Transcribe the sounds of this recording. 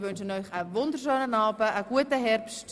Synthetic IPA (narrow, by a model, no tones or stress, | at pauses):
vɵnʃənɔʏχəvɔndərʃøːnənɑːbəʔəɡuətəɦɛrpst